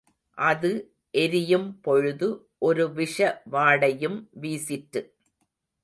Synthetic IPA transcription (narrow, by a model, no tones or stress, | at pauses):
ʔɐðɯ | ʔɛɾɪjɯmpɔɻɯðɯ | ʔɔɾɯʋɪʂɐʋaːɽɐjɯmʋiːsɪʈːɯ